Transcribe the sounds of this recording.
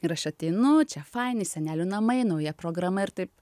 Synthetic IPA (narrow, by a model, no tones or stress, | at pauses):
ɪɾɐʃɐt̪ʲɛɪnʊt͡ʃʲɛfɐɪnɪsʲɛnʲæːlʲʊnɐmɐɪnɐʊjɛpɾoːɡɾɐmɐɪɾt̪ɐɪp